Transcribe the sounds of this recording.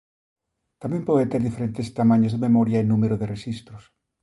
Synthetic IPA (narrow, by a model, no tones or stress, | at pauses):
t̪amjempoðet̪eɾðifeɾent̪est̪amãɲozðememoɾjaenːũmeɾoðeresist̪ɾos